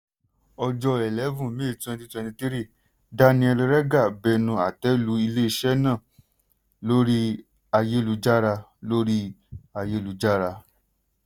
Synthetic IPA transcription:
ɔ˧d͡ʒɔ˧ɛ˨lɛ˨˦vũ˦˨mi˦i˨tɛ̃˧nti˧twɛ̃˧tĩ˧ti˦ɾi˦˨ | da˦nĩ˧ɛ˧ɾi˧ɾɛ˦ɡa˦˨bɛ˧nũ˧a˨tɛ˨˦lu˨˦i˧le˦i˧ʃɛ˦nãː˦˨ | lo˦ɾi˦ | a˧je˦lu˨˧d͡ʒa˦ɾa˧ | lo˦ɾi˦a˧je˦˨lu˧d͡ʒa˦ɾa˧

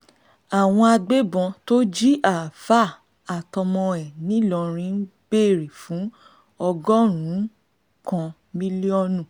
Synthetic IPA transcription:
a˨w̃ɔ̃˧a˧ɡ͡be˦bɔ̃˧to˦d͡ʒi˦ʔa˨fa˦˨ | a˨tɔ˧mɔ̃˧ɛ˨nĩ˦lɔ˧˨ɾ̃ĩ˧˦n̩˦b̥e˦˨ɾi˨fũ˨˦ | ɔ˧ɡɔ˦ɾ̃ũ˨˦ | kɔ̃˧ | mĩ˦li˦ɔ˦nũ˦˨

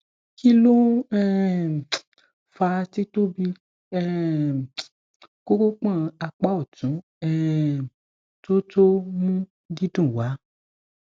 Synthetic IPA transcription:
ki˦lo˦ɛ˦˨ | fa˧ti˦to˦bi˧ | ɛ˦ | ko˦ko˦k͡pã˦˨˧a˧k͡pa˦ɔ˦˨tũ˨˦ | ɛ˦ | to˦to˦mũ˦ | di˦dũ˦˨wa˨˦

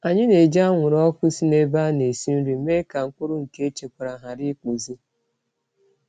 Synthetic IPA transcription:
a˨ɲɪ˦ne˨d͡ʒa˦ŋʷʊ˨ɾɔ˦kʊ˦si˦ne˦ba˦ne˨si˦n̩˦ɾi˨me˦ka˨ŋ̩˨kʊ˦ɾʊ˦ŋ̩˨ke˦e˦t͡ʃe˨kʷa˨ɾa˨ɦa˨ɾi˦ku˨zi˦

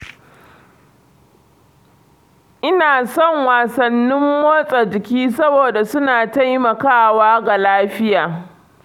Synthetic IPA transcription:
ʔɪ˦naː˨sɔ˦˨ŋwaː˨sɐ˨nːɪ˦mːoː˦sʼɐ˨d͡ʒɪ˨kʲiː˦sɐ˦boː˨da˨sʊ˦naː˨ta˦jmɐ˨kaː˦˨waː˦ɡa˨laː˦ɸɪ˦jaː˨

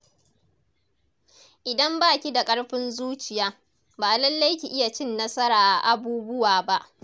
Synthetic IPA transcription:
ʔɪ˨dɐ˦mbaː˦˨kʲi˦da˨kʼɐ˦ɽɸɪ˦nzuː˦t͡ʃɪ˨jaː˦ | baː˨lɐ˦lːa˦jkʲi˨ʔɪ˦ja˨t͡ʃɪ˦nːɐ˦sɐ˦ɾaː˨ʔa˨ʔa˨buː˦bʊ˦waː˨ba˦ʔ

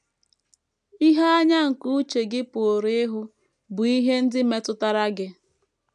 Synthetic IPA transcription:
i˦ɦa˦a˦ɲa˦ŋ̩˨ku˦t͡ʃe˨ɡɪ˦pʊ˨o˨ɾe˦ɦʊ˦ | bʊ˨i˦ɦe˦n̩˦dɪ˦me˦tʊ˦ta˦ɾa˦ɡɪ˦

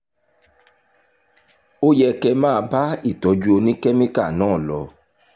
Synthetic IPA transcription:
o˦jɛ˧kɛ˧mãː˦˧ba˦i˦˨tɔ˨d͡ʒu˦o˧nĩ˦kɛ˦mĩ˦ka˦˨nãː˦˨lɔ˧

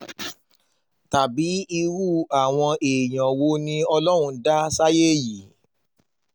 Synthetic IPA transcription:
ta˨bi˨˦i˧ɾu˦˨a˨w̃ɔ̃˧ʔe˨j̃ã˨wo˦nĩ˧˦ɔ˧lɔ˦ɾ̃ũ˧da˦sa˦je˦˨ji˨˦

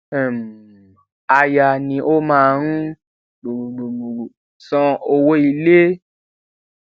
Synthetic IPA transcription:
ɛ˨m˨ | a˨˧ja˨nĩ˨ʔo˦mãː˦˧˨ɾ̃ũ˦ | ɡ͡bu˨ɡ͡bu˨ɡ͡bu˨ɡ͡bu˨ɾu˨ | sɔ̃˧o˧wo˦i˧le˦

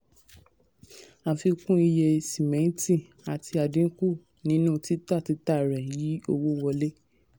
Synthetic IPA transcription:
ã˧˨fi˧kũ˦i˧je˧si˨mɛ̃˨˦n˦tĩ˦˨ | a˨tʰi˧a˨dĩ˨˦ku˦˨ | nĩ˨˦nũ˦˧ti˨˦ta˦˨ti˨˦ta˦˨ɾɛ̃˨ji˨˦o˧wo˦wɔ˧le˦

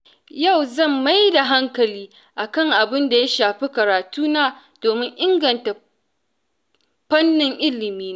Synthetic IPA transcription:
ja˦˨wzɐ˦˨mːa˦jda˨ɦa˦ŋkɐ˨liː˦ | ʔa˨kɐ˦ŋʔa˨bɪ˦nda˨ja˦ʃaː˨ɸi˦kɐ˨ɾaː˨tuː˦naː˦ | d̥oː˨mɪ˦ŋʔɪ˦ŋɡɐ˨nta˨ | ɸɐ˦nːɪ˨ŋʔɪ˦lɪ˨miː˦n˦

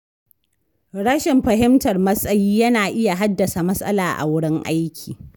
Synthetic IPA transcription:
ɽɐ˦ʃɪ˨mɸɐ˨ɦɪ˦mtɐ˨rmɐ˦sʼɐ˦jiː˦jɐ˦naː˨ʔɪ˦ja˨ɦa˦dːɐ˨sa˨mɐ˦sʼɐ̰˦laː˨ʔa̰˨wʊ˦ɽɪ˦ŋʔa˦jkʲʰiː˨

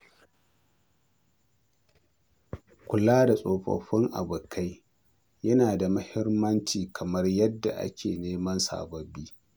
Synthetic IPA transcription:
kʷʊ˨laː˦da˨sʼoː˨ɸɐ̰˨ɸɪ˦ŋʔa̰˨bʊ˨kʰa˦j | jɐ˦naː˨da˨mʊ˦hɪ˦rmːɐ˦nt͡ʃiː˨kʰɐ˨mɐ˦rjɐ˦dːa̰˨ʔa̰˦kʲeː˨neː˦mɐ˦nsa̰ː˨bɐ˨biː˦

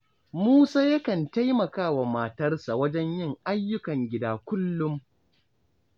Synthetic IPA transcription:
muː˦saː˦jɐ˦kɐ˨nta˦jmɐ˨kaː˦wa˨maː˨tɐ˦rsa˨wɐ˦d͡ʒɛ˦ɲjɪ˦˨ŋʔa˦jːʊ˦kɐ˨ŋɡʲɪ˦daː˨kʷʊ˦lːʊ˦m

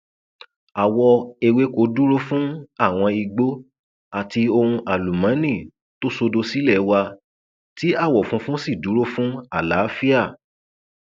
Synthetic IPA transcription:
a˨wɔ˧e˨˧we˨˦ko˨˦du˦ɾo˦fũ˦a˦˨w̃ɔ̃˧i˧ɡ͡bo˦ | a˨ti˧o˧ɾũ˧ʔa˨lu˨mã˨˦nĩ˦˨ | to˦so˧do˧si˦lɛ˦˨˦wa˧ | ti˨˦a˦˨wɔ˨fũ˦fũ˦si˦˨du˨˦ɾo˦fũ˦a˦˨la˨˦fi˦a˦˨

